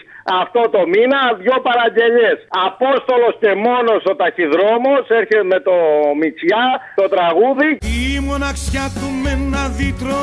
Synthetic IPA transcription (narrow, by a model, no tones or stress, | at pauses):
ɐft̪o̞t̪o̞minɐðʝo̞pɐɾɐɲɟe̞ʎe̞sɐpo̞st̪o̞lo̞sce̞mo̞no̞sot̪ɐçiðɾo̞mo̞se̞ɾçeme̞t̪o̞mit͡sjɐt̪o̞t̪ɾɐɣuðiimonɐksçɐt̪umenɐðit̪ɾo